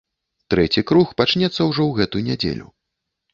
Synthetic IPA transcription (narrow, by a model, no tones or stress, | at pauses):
t̪ɾɛt͡sʲikɾuxpat͡ʂnʲɛt̪sːɐwʐɔwɣɛt̪ujunʲɛd͡zʲḛlʲṵ